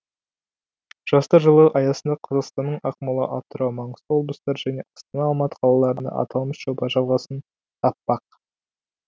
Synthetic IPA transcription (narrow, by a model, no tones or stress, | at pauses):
ʒ̥ɑst̪ɑʒəlˠəʔɑjɑsənd̪ɑqʰɑzɑqst̪ɑnːəɴɑqmɑlˠə̰ʔɑt̪ːəɾɑmɑɴəzt̪əwo̞lblˠəst̪ɑɾʒæneʔɑst̪ɑnɑːlˠmɑt̪ə̥qʰɑlˠɑlˠɑɾənd̪ɑ̰ʔɑ̰t̪ʰɑlˠməsʒ̥obɑʒɑlˠʁɑsən | t̪ʰɑpːɑq